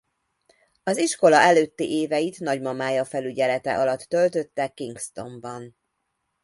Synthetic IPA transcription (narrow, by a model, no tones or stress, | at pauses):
ɒziʃko̞lɒɛløːt̪ːiʔeːvɛjit̪nɒɟmɒmaːjɒfɛlyɟɛlɛt̪ɛ̰ʔɒlɒt̪ːø̞lt̪ø̞t̪ːɛkːiŋkst̪o̞mbɒn